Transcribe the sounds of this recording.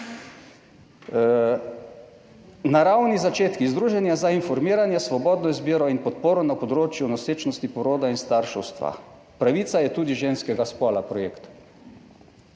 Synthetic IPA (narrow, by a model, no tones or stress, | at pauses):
naɾawnizat͡ʃeːt̪kizd̪ɾuːʒɛnjazainfɔɾmiːɾanjɛsʋɔbɔːd̪nɔizbiːɾɔinpɔt̪̚poːɾɔnapɔd̪ɾoːt͡ʃjunɔseːt͡ʃnɔst̪ipɔɾoːd̪ainst̪aɾʃɛwst̪ʋa̰ | pɾaʋit̪sajɛt̪uːd̪iʒeːnskɛɡaspɔːlapɾɔjeːkt̪